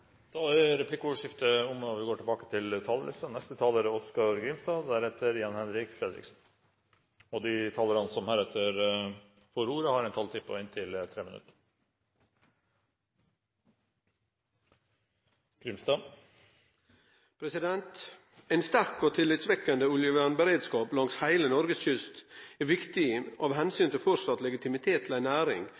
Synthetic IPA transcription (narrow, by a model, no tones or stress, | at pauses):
d̪̥ɑæɾɛplɪkːəʊʋəʂɪft̪əʊmɑʋɪɡoːʈʰɪlbɑːkət̪ʰɪlt̪ʰɑːlə̰lɪ̰st̪ənɛst̪ət̪ʰɑːləɾəɔskɑɾɡɾɪmst̪ɑːd̪æɾɛt̪ʰːəɾjɑnhɛnɾɪkfɾɛd̪ɾɪ̰ksn̩ | ɔd̪ɪt̪ʰɑːləɾɑnsɔmhæːɾɛt̪ʰːəɾ | fɔɾuːɾəhɑɾɛnt̪ʰɑlt̪ʰɪpʰːɔ̰ɪnt̪ʰɪlət̪ʰɾeːmənʉ̰t̪ə̥ | ɡ̥ɾʏmst̪ɑː | pʰɾɛsɪd̪ɛnt̪ | æɪnst̪æɾkoːt̪ʰɪlːɪt̪sʋɛkːənd̪əʊljəʋænbəɾeːd̪skɑːplɑŋshæɪlənɔɾɡəsçʏst̪æɾʋɪkt̪ɪʔɑʋhɛnsyːnt̪ɪlfɔɾsɑt̪lɛɡɪt̪ɪmɪt̪ʰeːt̪ʰːɪl̩æɪnæːɾɪ̰ŋ